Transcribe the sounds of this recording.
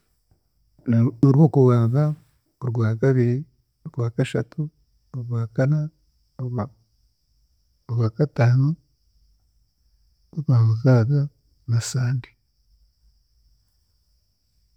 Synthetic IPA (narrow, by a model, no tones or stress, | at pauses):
oɾwoːkuwaːnza | oɾɡwaːkaβiɾi | oɾɡwaːkaʃatu | oɾɡwaːkana | ɡwaːkataːnu | uβaːmuzaːβa | nasaːndi̥